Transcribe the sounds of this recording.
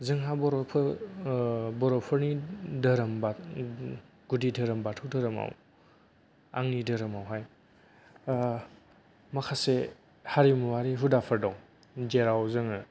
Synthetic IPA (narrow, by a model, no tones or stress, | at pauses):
zɯŋɦabɔɾɔpʰ | bɔɾɔpʰɯɾnidɐɾɐmba | ɡ̥udidɐɾɐmbatʰɯwdɐɾɐma̰w | a̰ŋnidɐɾɐmawɦaj | mɐkʰase | haɾimuwaɾiɦudapʰɐɾdɔŋ | d͡ʒeɾawzɯŋɯ